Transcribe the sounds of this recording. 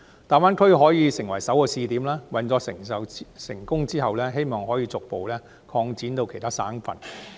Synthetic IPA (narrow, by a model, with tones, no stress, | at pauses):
t̪aː˨nwaː˨˥nkʰɵ˥ɦɔː˨˥jiː˨˧sɪ˨˩ŋwɐ˨˩jsɐ˨˥wkɔː˧siː˧t̪iː˨mlaː˥wɐ˨˧nt͡sɔː˨˥˨ɐ˨sɪ˨˩ŋkʊ˥ŋt͡siː˥ɦɐ˨wlɛː˥ɦe˥jmɔː˨ŋɦɔː˨˥jiː˧t͡sʊ˨k̚po˨wlɛː˥ | kʰɔː˧ŋt͡siː˨˥nt̪o˧wkʰe˨˩jt̪ʰaː˥saː˥nfɐ̰˨n